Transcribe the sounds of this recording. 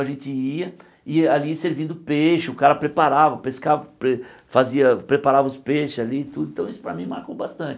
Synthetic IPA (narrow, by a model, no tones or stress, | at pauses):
ɐʒẽnt͡ʃɪiɐ | ɪaliseɾvĩnd̪ʊpeʃʊʊkaɾɐpɾepaɾavɐpeskavɐpɾefaziɐpɾepaɾavɐʊspeʃʊzaliːt̪ud̪ʊẽt̪ɐ̃w̃isʊ̥pɾɐmĩmaɾkowbast̪ɐ̃nt͡ʃɪ